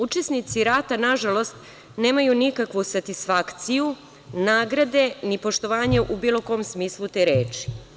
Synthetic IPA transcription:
ut͡ʃesnit̪siɾaːt̪anaʒalo̞st̪ | ne̞ːmajunikakʋusat̪isfakt̪siju | naːɡɾad̪e̞nipo̞ʃt̪o̞ʋaːɲe̞ʔubiːlo̞ko̞ːmsmiːslˠut̪eːɾeːt͡ʃi̥

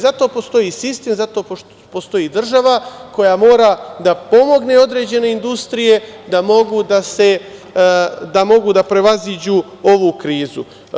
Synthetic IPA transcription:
zat̪o̞ːpo̞st̪o̞jisist̪e̞ːmzat̪o̞ | post̪o̞jid̪r̩ʒaʋako̞jamo̞ːɾad̪apo̞mo̞ɡne̞o̞d̪ɾe̞ːd͡ʑe̞ne̞ind̪ust̪ɾije̞d̪amo̞ɡud̪ase̞ | d̪amo̞ɡud̪apɾe̞ʋazid͡ʑu | o̞ʋukɾiːzu

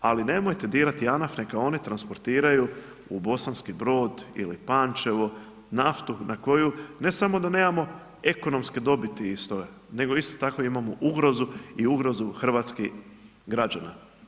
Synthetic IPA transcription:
aline̞mojt̪e̞d̪iːɾat̪ianafnekao̞nit̪ɾanspo̞ɾt̪iːɾaju | ubo̞sanskibɾo̞ːd̪ḭlipant͡ʃe̞ʋo | naft̪unʔako̞june̞samo̞d̪ane̞ːmamo̞ | e̞ko̞no̞mske̞d̪o̞bit̪iist̪o | ne̞ɡo̞ist̪o̥t̪ako̞imamoʔuɡɾo̞zuiuɡɾo̞zuxr̩ʋaːt̪ski | ɡɾad͡ʒana

